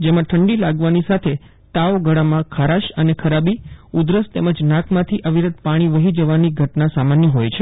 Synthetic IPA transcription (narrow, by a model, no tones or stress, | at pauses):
d͡ʒemãʈʰəɳɖilaɡʋanisat̪ʰe | t̪aoɡʱəɽamãkʰaɾaʃənekʰəɾabiud̪ɾəst̪eməd͡ʒnãkʰmãt̪ʰiʔəʋiɾəd̪̚paɽ̃iʋəɦid͡ʒəʋaniɡʱəʈnasamanjəɦojt͡ʃʰe